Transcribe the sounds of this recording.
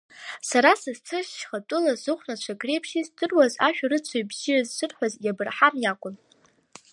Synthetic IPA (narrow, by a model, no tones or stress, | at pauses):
saɾasɨzt͡sʰɨʃʃχatʼʊlazɨχʷnat͡ʃʷʰaɡre̞jpʰʃizdɨrwazaʃᶣarɨt͡sʷʰojbzirazsʷʰɨrħʷᶣazjabɨrħamjakʷʼʊn